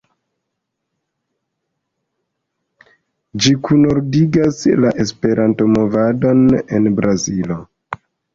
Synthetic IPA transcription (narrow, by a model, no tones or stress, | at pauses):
d͡ʒikʰunoɾdiɡaslaʔe̞spe̞ɾʔanto̞mo̞vado̞ne̞nbɾazilo̞